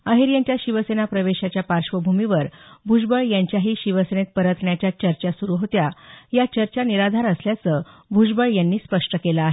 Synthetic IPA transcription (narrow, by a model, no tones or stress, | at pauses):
əɦiɾjaɲt͡ɕjaɕiʋəsenapɾəʋeɕat͡ɕjapaɾʂʋəbʱumiʋəɾbʱud͡ʑbəɭjaɲt͡ɕjaɦiːɕiʋəsenet̪̚pəɾət̪ɳjat͡ɕjat͡ɕəɾt͡ɕasuɾuɦot̪jajat͡ɕəɾt͡ɕaniɾad̪ʱaɾəsljat͡səbʱud͡ʑbəɭjanːiːspəʂʈəkelaaɦe